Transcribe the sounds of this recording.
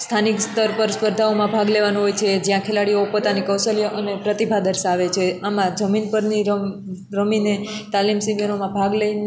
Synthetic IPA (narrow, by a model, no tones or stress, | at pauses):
st̪ʰanikst̪əɾpəɾspəɾd̪ʱaomãbʱaɡleʋanũɦojt͡ʃʰed͡ʒjãkʰelaɽiopot̪anikəwsəlijʔənepɾət̪ibʱad̪əɾsaʋet͡ʃʰeamãd͡ʒəminpəɾniɾ | ɾəminet̪alimsiɡənomãbʱaɡlein